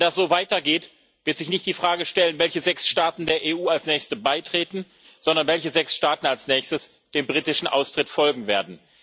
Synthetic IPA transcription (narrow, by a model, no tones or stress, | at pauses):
nd̥asz̥oːvaɪtɐɡeːt | v̥ɪɐtz̥ɪçnɪçt̚d̥iːfʁ̥aːɡəʃtɛlənvɛlçəzɛksʃtaːtn̩deːɐʔeːʔuːalsnɛːçstəbaɪtʁ̥eːtn̩ | z̥ɔndɐnvɛlçəzɛksʃtaːtn̩alsnɛːçstəs | d̥eːmbʁiːtɪʃn̩ʔa̰ʊstʁ̥ɪtfɔlɡŋ̩veːɐdn̩